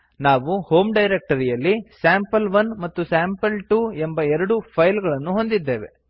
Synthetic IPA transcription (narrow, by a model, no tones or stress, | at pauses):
naːʋuho̞ːmɖɐjɾek̚ʈɐɾijɐlːisaːmpɐlʋɐnmɐt̪ːusaːmpɐlʈuːembɐɛɾɐɽupʰɐjlɡɐɭɐnːuɦo̞nd̪id̪ːe̞ːʋe̞̰